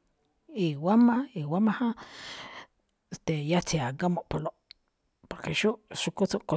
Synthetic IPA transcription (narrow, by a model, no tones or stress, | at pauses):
iwamaiwamahã | st̪ejat͡siaɡamoʔpoloʔ | poɾkeʃuʔʃukut͡soʔko